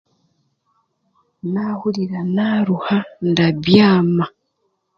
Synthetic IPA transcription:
nahuliɾanaːɾuhandabjaːma

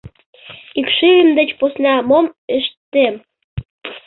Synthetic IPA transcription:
ikʃiəmd̪ət͡ɕposnɑmomeʃt̪ːem

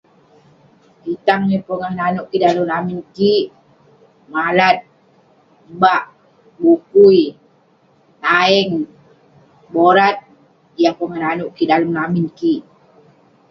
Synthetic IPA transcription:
bit̪aŋɲipəŋahnanʊʔkidaləmlaminkiʔ | malat̪̚ | baʔ | bukuj | t̪aɛŋ | boɾat̪̚ | japəŋahnanʊʔkidaləmlaminkiʔ

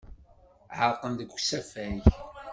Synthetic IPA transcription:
ʕəɾˤqənðəɡʷːsæfæç

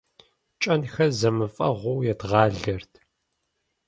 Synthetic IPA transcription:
t͡ʃʼɐnxɐzɐmɨfʼɐ̰ʁʷʊːjɛdʁɑːɮɐrtʰ

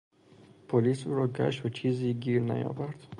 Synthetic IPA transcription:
pʰolisuɾoːɡa̰ʃwut͡ʃʰiziɡiɾna̰jɔ̰vaɾt̪

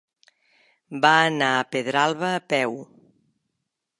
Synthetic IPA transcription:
baːnaəpeðɾalˠβəːpɛw

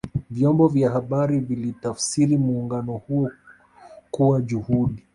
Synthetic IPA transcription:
vjɔmbɔvjahaɓaɾivilitafsiɾimuːŋɡanɔhuɔ | kuwaʄuhuɗi

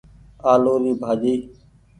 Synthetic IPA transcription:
aːloːɾiːbʱaːd͡ʒiː

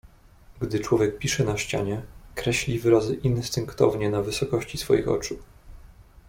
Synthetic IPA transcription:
ɡd̪ɘt͡ʂwɔvʲjɛk̚pʲiʂɛnaɕt͡ɕa̰ɲɛkɾɛɕlʲivɘɾazɘʔinst̪ɘŋkt̪ɔ̰vɲɛnavɘsɔkɔɕt͡ɕisfɔ̰jḭxɔ̰t͡ʂu

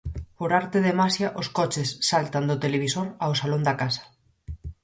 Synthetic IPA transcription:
poɾaɾt̪eðemasjaʔoskɔt͡ʃesːalt̪and̪ʊt̪eleβisoɾawsalond̪akasḁ

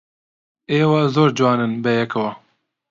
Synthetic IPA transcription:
eːwɑzoːɾd͡ʒwɑːnɨnbɛjɛkɐwɐ

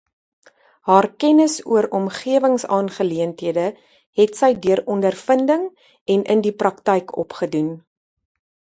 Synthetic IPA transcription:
hɑːrkɛnəsṵəɾɔmχiəvəŋsɑːnχəliəntɦiədə | ɦɛtsəjdyəɾɔndərfəndəŋ | ɛnʔəndiprɐktɛjkʰɔ̰pχədun

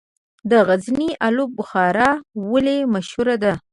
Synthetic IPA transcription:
d̪əɣazniʔalubʊxɑɾɑwəlemaʃhuɾad̪a

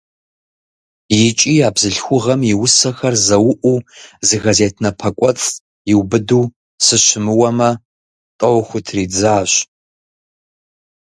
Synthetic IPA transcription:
jɪt͡ʃʼiːaːbzɨɬxʷʊʁɐmjɪwʊsɐxɐrzɐwʊʔʷuːzɨɣɐzeːtʰnɐpʰɐkʷʼɔt͡sʼ | jɪwbɨduː | sɨɕɪmɨwɐmɐ | tʼɐwxʷʊtʰriːd͡zaːɕ

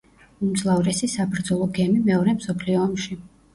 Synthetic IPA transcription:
umd̪sʼlˠavɾɛsisabɾd̪zɔlˠɔɡɛmimɛɔɾɛmsɔpʰliɔːmʃi

